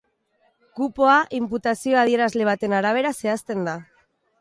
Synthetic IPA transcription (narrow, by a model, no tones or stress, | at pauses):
kupoaʔimput̪asioað̞jeɾazle̞βat̪enaɾaβ̞eɾase̞ast̪e̞nd̪a